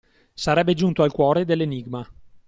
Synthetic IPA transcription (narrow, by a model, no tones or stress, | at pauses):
saɾɛbːed͡ʒunt̪oalkwɔːɾed̪elːeniɡma